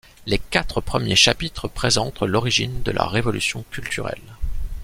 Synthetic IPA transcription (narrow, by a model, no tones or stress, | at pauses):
lekat̪χəpχəmjeʃapit̪χəpχezɑ̃t̪lɔʁiʒind̪əlʔa̰ʁevɔlysjɔ̃kʲylt̪yʁɛ̰l